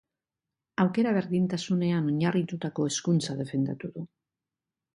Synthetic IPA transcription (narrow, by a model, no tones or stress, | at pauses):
awkeɾaβeɾðint̪asuneanoɲarit̪ut̪akoeskunsaðefend̪a̰t̪uðu